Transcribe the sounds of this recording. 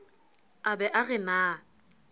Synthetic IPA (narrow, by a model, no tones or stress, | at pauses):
abɛʔaɣɛnaː